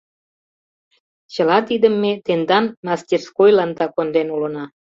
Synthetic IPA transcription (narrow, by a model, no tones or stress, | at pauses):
t͡ɕə̆lɑt̪id̪əmːet̪end̪ɑnmɑst̪ʲirskojlɑnd̪ɑkond̪enulənɑ